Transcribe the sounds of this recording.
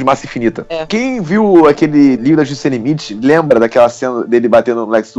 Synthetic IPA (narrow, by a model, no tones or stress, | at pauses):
d͡ʒɪmasɐĩfinit̪ɐkẽj̃viwakelɪlivɾd̪ɐʒusẽlimit͡ʃɪlẽmbɾɐd̪akɛlɐsẽnɐd̪elɪbat̪ẽnd̪ʊlɛksd̪